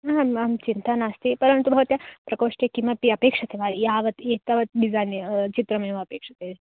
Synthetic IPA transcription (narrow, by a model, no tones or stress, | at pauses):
ɦãamt͡ʃint̪anast̪ipɐɾənt̪ubʱɐʋɐt̪japɾɐkoːʂʈekimɐpiɐpeːkʂɐt̪eʋajaːʋɐt̪et̪ɐʋɐt̪̚ɖizant͡ʃit̪ɾɐmẽʋɐɐpeːkʂɐt̪e